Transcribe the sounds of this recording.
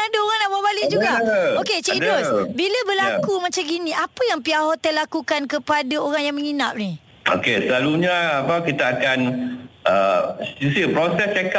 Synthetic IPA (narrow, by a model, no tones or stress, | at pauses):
adaoɾaŋnababalɪʔd͡ʒuɡaoket͡ʃidɾosbiləbəlakumat͡ʃamɡinĩʔapəjaŋpiaɦot̪əlakukankəpadaoɾaŋjaŋmə̃ŋinap̚ni | o̰kesəlaluɲaapakit̪aakanʔəisəpɾosɛst͡ʃɛka